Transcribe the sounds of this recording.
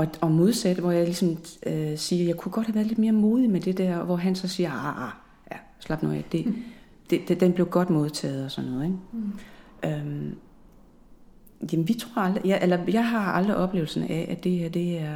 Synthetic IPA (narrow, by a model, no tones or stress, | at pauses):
ɒ̽ɒ̽mo̝ð̞ˠsæd̥ʋɒjɑ̈ɪlisɒ̽møsiːɐjɑ̈ɪkʰuɡ̥ɒ̽d̥hæʋæːɐðˠle̝d̥me̝ːɐmo̝ːðˠimed̥e̝d̥æɐ̰ʋɒɦænsɒ̽siːɐɑɑ | æ | slɑ̈b̥noæd̥e̝ | d̥ed̥d̥enb̥le̝ʊɡ̥ɒ̽d̥mo̝ð̞ˠt͡sʰɛ̰ːð̞̩ˠɒsɒ̽nːɔ̽ːðˠeŋ | ʔøm | jæmnʋit͡sʰʁo̝ːɐɑld̥ʁijæʔelɐjɑ̈ɪɦɑ̈ɑld̥ʁiʔɒ̽b̥le̝ːʊl̩sənʔæʔæd̥e̝æd̥e̝æɐ